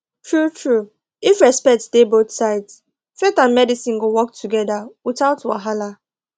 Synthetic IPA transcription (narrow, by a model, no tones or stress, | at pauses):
tʰɹutʰɹu | ifɹɛspɛk̚td̥ebotsaɪts | fetãnmɛdisĩnɡowɔk̚tʰuɡɛdawitaʊtwa̰ɦala